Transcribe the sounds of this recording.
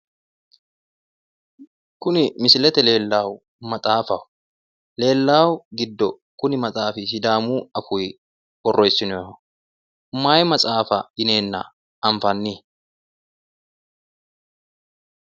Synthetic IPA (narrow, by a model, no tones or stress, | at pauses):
kʊnɪmɪsɪlɛt̪ɛle̞ːlːaːw | mɐt͡sʼaːfɐwʊ | le̞ːlːaːwɡɪd̪ːɔ | kʊnɪmɐt͡sʼaːfɪsɪd̪aːmuːɐfʊj | wɔrːʔɔjsːɪnɔ | ʊmːaːjmɐt͡sʼaːfɐɪne̞ːnːɐ̰ | ʔɐɱfɐnːɪ